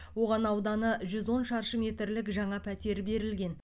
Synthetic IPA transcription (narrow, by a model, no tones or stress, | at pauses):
wo̞ʁɑnɑwd̪ɑnəʒʏzwo̞nʃɑɾʃəmʲe̞t̪ɾlɪkʒɑɴɑpʰæt̪e̞ɾbe̞ɾɪlɡʲe̞n